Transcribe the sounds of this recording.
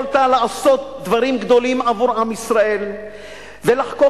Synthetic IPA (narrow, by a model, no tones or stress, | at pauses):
lt̪alaaso̞t̪̚d̪vaʁimɡd̪o̞limavuʁamisʁae̞l | velaħko